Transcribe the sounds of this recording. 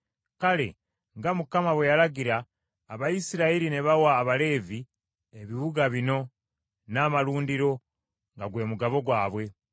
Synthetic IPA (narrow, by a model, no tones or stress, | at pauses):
kale̞̰ | ŋɡamukamaβwejalaɡiɾaː | βaisiɾaiɾineβawaːβale̞ːvi | eβiβuɡaβino̞ | naːmaluːndiɾo̞ | ŋɡaɡwe̞ːmuɡaβo̞ɡwaːβwe̞